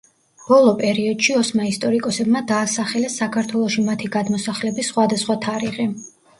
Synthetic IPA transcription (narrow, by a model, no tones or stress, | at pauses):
b̥ɔlˠɔpʼɛɾiɔd̪̥ʃiɔsmaist̪ʼɔɾikʼɔsɛbmad̪aːsaχɛlɛsːakʰaɾt̪ʰwɛlˠɔʃimat̪ʰiɡad̪mɔsaχlɛbisχwad̪asχwat̪ʰaɾiʁi